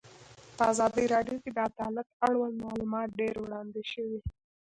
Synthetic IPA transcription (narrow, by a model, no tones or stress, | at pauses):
pəazɑd̪əjɾɑɖjoked̪əad̪ɑləkaɽwalmɑlumɑt̪̚ɖeɾwɽɑnd̪eʃəwi